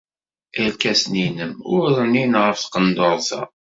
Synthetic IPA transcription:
əɾkæsninəmʊɾðˤəninʁəfθqənd̪oɾˤθæ̰

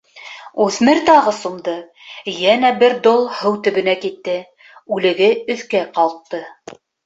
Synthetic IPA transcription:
uθmɘɾt̪ɑʁɤsumd̪ɤ | jænæbɘɾd̪olˠhɤwt̪ɵ̆βɘ̆nækit̪ːɘ | ʉlɘ̆ɡɘɵ̆θkæqɑlˠt̪ːɤ

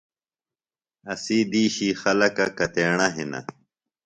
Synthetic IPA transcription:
ɐsiːd̪iːɕiːxɐlɐkɐkɐt̪eːɳɐɦinɐ̰

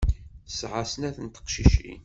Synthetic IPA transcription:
sʕasənæθənt̪ə̥qʃiʃḭn

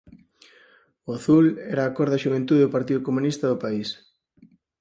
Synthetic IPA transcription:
oaθulɛɾaːkɔɾðɐʃuβ̞ent̪uðeoʊpaɾt̪iðʊkomũnist̪ɐðʊpais

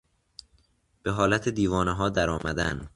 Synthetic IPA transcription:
b̥e̞ɦɒːlæt̪ʰed̪iːvɒːneɦɒːd̪æɾɒːmæd̪æ̰n

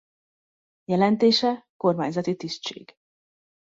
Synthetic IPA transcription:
jɛlɛnt̪eːʃɛko̞rmaːɲzɒt̪it̪ist̪t͡ʃḛːɡ̥

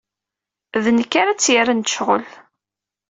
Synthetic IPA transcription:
ðənəkːaɾæt͡sːjaɾant̪ə̥ʃʁə̰l

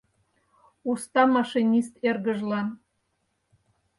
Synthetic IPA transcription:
ust̪ɑmɑʃinʲist̪erɣə̆ʒlɑn

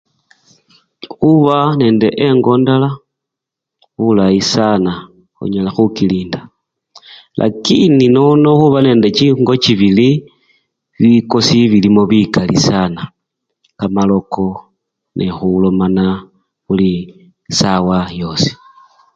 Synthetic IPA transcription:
xuβane̞ːnde̞ʔeŋɡo̞ndala | xulajisana | xṵɲalaxukiliːnda | lʔa̰kininono̞xuβane̞ːnde̞t͡ʃiŋɡo̞t͡ʃiβili | βiko̞siβilimo̞βikalḭsana | kamalo̞ko̞ | nʔexulomana | xuli | sawajo̞si̥

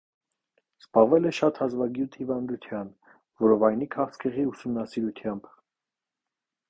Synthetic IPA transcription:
z̥bɑʁvɛlɛʃɑt̪hɑzvɑɡjut̪ʰhivɑnd̪ut̪ʰjɑn | vɔɾɔvɑjnikʰɑχt͡skʰəʁiusumnɑsiɾut̪ʰjɑmb

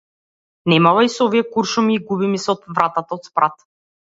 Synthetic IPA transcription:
nɛmavaisɔviɛkuɾʃumiːɡubimisɛɔt̪vɾat̪at̪aɔt̪spɾat̪

